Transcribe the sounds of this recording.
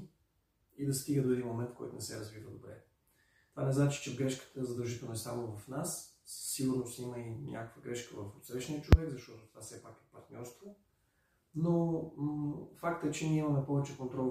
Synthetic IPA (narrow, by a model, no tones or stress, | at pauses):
id̪ɐst̪iɡəd̪oɛd̪inmomɛnt̪kɔ̰jt̪ʊnɛsɛɾɐzvivəd̪obɾɛ̰ | t̪ovanɛznat͡ʃi̥t͡ʃɛɡɾɛʃkə̥t̪əzɐd̪ɐlˠʒit̪ɛlˠnɛsamovɐfnassiɡʊɾnosiməinʲʔa̰kəkvəɡɾɛʃkəvɐfot̪sɾɛʃnʲiət͡ʃovɛkzɐʃt̪ɔt̪ot̪o̥vasɛpakɛpɐɾt̪nʲʔɔɾst̪vo | no | fakt̪əɛt͡ʃɛniiməmɛpɔvɛt͡ʃɛkont̪ɾɔ